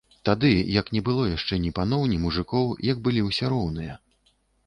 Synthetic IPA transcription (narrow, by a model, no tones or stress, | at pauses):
t̪ad̪ɨjɐknʲɛbɨlˠɔjaʂt͡ʂɛnʲipan̪ɔwnʲimuʐɨkɔwjɐɡ̚bɨlʲiwsʲɛɾɔwnɨjɐ